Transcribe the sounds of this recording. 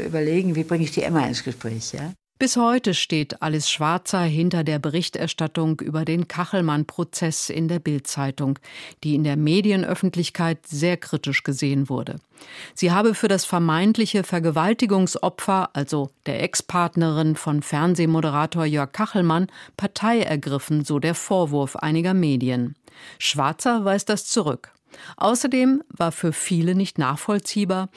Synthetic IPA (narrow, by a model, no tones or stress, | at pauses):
ʔy̰ːbɐleːɡŋ̩viːbʁɪŋəɪçd̥ḭːʔɛ̰maɪ̰nsɡ̥əʃpʁ̥ɛ̰ːçja̰ː | b̥ɪshɔʏtəʃteːtʔalɪsʃv̥aɐt͡sɐɦɪntɐdeːɐbəʁɪçtɛ̰ɐʃtatʊŋʔy̰ːbɐdeːnkʰaχl̩manpʁ̥ot͡sɛsɪ̰ndeːɐbɪltt͡saɪtʊŋd̥iːɪndeːɐmeːdiənʔœ̰fn̩tlɪçkʰaɪtz̥eːɐkʁ̥itɪʃɡ̥əzeːənvʊɐdə̰ | z̥iːɦaːbəfyːɐdasfɛɐmaɪntlɪçəfɛɐɡəvaltɪɡʊŋsʔɔpfɐʔalzod̥eːɐʔɛkspʰaɐtnəʁɪnfɔnfɛɐnzeːmoɾəʁ̞aːtoːɐjœɐkkʰːaχl̩manpʰaɐtʰaɪɛ̰ɐɡʁɪfn̩zoːdeːɐfoːɐvʊɐfʔa̰ɪnɪɡɐmeːdiənʃv̥a̰ɐt͡sɐvaɪsd̥ast͡suʁʏk | ʔa̰ʊsɐdeːmvaːɐfyːɐfiːlənɪçtna̰ːχfɔlt͡siːbaːɐ